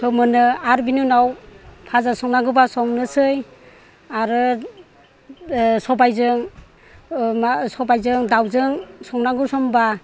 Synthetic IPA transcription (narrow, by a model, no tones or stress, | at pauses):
sʰɔmɯnɯaɾbinunawpʰazasɔŋnaŋɡɯbasɔŋnɯsɯj | aɾɯ | sɔbajzɯŋ | masɔbajzɯŋdawzɯŋsɔŋnaŋɡɯsɔmba